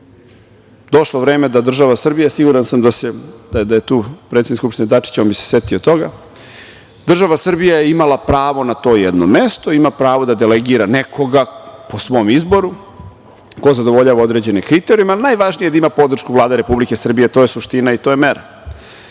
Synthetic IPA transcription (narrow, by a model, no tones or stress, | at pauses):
d̪o̞ʃloʋɾeːmed̪ad̪r̩ʒaʋasr̩bijasiɡuɾansamd̪ased̪ad̪ajet̪uːpɾet̪eniskupʃt̪ined̪at͡ʂi̥t͡ɕonbise̥sjet̪iot̪o̞ɡa | d̪r̩ʒaʋasr̩bijajeimalapɾaːʋo̞nat̪o̞ːjɛd̪no̰mest̪o̞imapɾaːʋo̞d̪ad̪eleɡiɾanekʰo̞ɡaposʋo̞ːmizbo̞ɾu | ko̞zad̪o̞ʋoʎaːʋao̞d̪ɾe̞d͡ʑe̞nekɾit̪eɾijmalinajʋaʒnijeaimapo̞d̪r̩ʃkuvlaːd̪eɾe̞publike̞sr̩bijet̪oːjesuʃt̪inait̪oːjemeɾa